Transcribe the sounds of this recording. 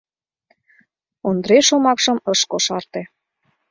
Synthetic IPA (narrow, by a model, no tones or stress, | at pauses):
ond̪ɾeʃomɑkʃəmɤʃkoʃɑrt̪e